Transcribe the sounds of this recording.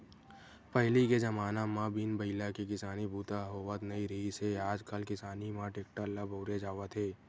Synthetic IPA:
pɐɦliked͡ʒɐmaːnamãbinbɐɪlakikɪsaːnibʱuːt̪aɦoːʋət̪nɐiɾəiseaːd͡ʒkəlkɪsaːnimãʈeːk̚ʈəlabʱoːɾed͡ʒaːʋət̪ʰeː

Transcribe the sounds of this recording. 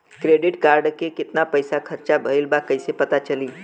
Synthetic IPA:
kɾeɖiʈkaɾɖkekɪt̪napəjsakʰəɾt͡ʃabʱəilbakəjsepət̪at͡ʃəliː

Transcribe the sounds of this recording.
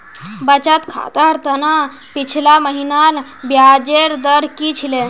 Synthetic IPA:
bət͡ʃat̪kʰa̰t̪aɾt̪əna | pit͡ʃʰilaməɦinaɾbjad͡ʑeɾd̪əɾkit͡ʃʰile

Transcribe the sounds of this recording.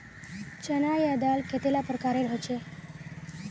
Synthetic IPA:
t͡ɕənajad̪alkʰet̪elapɾəkaɾeɽ̤ʱɦət͡ɕe

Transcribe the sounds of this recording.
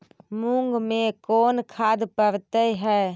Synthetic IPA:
mũŋɡmẽkoːnkʰaːd̪pəɾt̪eɦɛː

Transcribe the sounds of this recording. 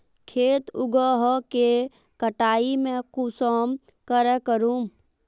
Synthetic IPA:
kʰeːt̪ʊɡəɦke | kəʈaːimẽkusəːm | kəɾɛkəɾuːm

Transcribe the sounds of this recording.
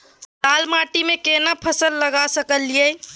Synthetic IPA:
taːlmaːʈimẽkeːnapʰəsəlːəɡasəkəlːie

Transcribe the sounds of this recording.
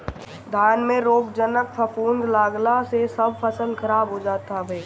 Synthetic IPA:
d̪ʱaːnmẽɾoːkd͡ʒənək̚pʰəpuːnd̪laːɡlasesɐb̚ʱpəsə̃ld̪kʰəɾaːbɦod͡ʒaːt̪abʱeː

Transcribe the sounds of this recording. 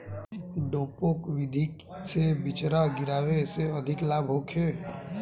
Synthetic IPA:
ɖoːpokʋɪd̪ʱik | sebɪt͡ʃɾaɡɪɾaːweseɐd̪ʱɪklaːbʱɦoːkʰeː

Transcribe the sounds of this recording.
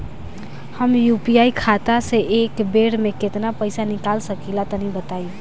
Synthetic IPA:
həmjupijaikʰat̪aseʔekbeɽmeket̪napəɪsanikalsəkilat̪ənibət̪ajo

